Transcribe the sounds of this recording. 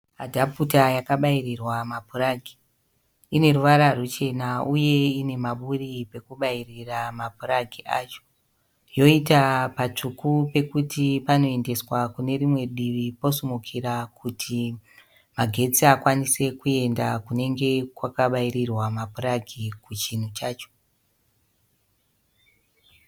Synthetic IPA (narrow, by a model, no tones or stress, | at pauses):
adʱaputajakaɓairirwamapuraɡʱi | ine̞ɾuʋaɾarut͡ʃe̞nauje̞ine̞maɓuripe̞kuɓairiramapuraɡʱiʔat͡ʃo̥ | jo̞itapat͡ʂukupe̞kutʰipano̞e̞nde̞swakune̞rimwe̞ɗiʋipo̞sumukʰiɾakʰutʰi | maɡʱe̞t͡siakwanise̞kue̞ndakune̞ŋɡe̞kwakaɓaiɾirwamapuraɡʱikut͡ʃin̤ut͡ʃaːt͡ʃo̥